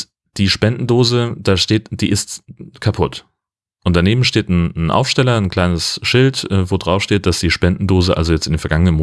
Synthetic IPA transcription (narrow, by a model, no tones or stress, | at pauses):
d̥iːʃpɛndn̩doːzəd̥aːʃteːtd̥iːʔɪstkʰapʰʊt | ʔʊnt̚d̥aneːbm̩ʃteːtn̩nʔa̰ʊfʃtɛlɐnkʰl̥aɪnəsʃɪltʔɛːvoːdʁaʊfʃteːt̚d̥asd̥iːʃpɛndn̩doːzəʔa̰lzojɛt͡stɪndenfɛɐɡaŋənənm